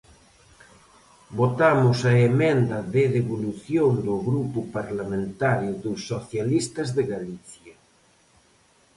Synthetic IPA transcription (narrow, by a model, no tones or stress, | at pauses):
bot̪amʊsɐemẽnd̪ɐðeðeβoluθjond̪oɣɾupʊpaɾlamẽnt̪aɾjʊðusːoθjalist̪ɐzðeɣaliθja